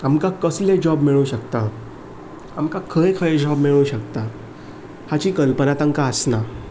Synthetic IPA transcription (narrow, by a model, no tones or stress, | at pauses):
amkakəsled͡ʑɔbmiɭuɕəkt̪a | amkakʰəekʰəed͡ʑɔbmiɭuɕəkt̪a | hat͡ɕiːkəlpənat̪aŋkaəsna